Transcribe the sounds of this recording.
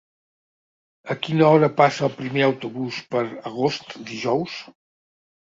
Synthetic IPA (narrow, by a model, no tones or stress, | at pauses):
əkinəɔɾəpasəːlˠpɾimeəwt̪uβuspəɾəɣ̞ost̪d̪iʒɔws